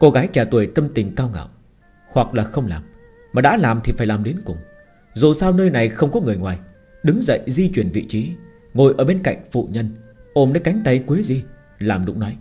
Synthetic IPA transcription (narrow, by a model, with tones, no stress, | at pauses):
ko˧ɣaː˨˦jt͡ɕaː˧˩t̪wu˨˩əjt̪ə˧mt̪ï˨˩ŋ̟kaː˧wŋa̰ː˧˨w | hwa˨˩k̚laː˨˩xə˧wŋ͡mlaː˨˩m | maː˨˩ɗa̰ː˧˥laː˨˩mt̪ʰi˨˩faː˧˩jlaː˨˩mɗi˨˦ənkʊ˨˩ŋ͡m | zo˨˩saː˧wnəː˧jna˨˩jxə˧wŋ͡mkɔ˨˦ŋɨ˨˩əjŋwaː˨˩j | ɗɨ˨˦ŋzə̰˧˨jzi˧t͡ɕwi˧˩ənvḭ˧˨t͡ɕi˨˦ | ŋo˨˩jʔəː˧˩ɓe˧nka̰˧˨jŋ̟fṵ˧˨ɲə˧nʔo˨˩mnəː˧˦jka˨˦jŋ̟t̪ə˨˧˩jkwi˨˦əzi˧ | laː˨˩mɗʊ̰˧˥ŋ͡mnɔ˨˦j